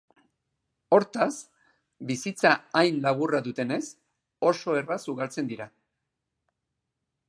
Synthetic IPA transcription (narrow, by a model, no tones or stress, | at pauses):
o̞ɾt̪as | bisit͡saajnlaβ̞uraðut̪e̞ne̞s | o̞so̞e̞rasuɣalt͡se̞nd̪iɾa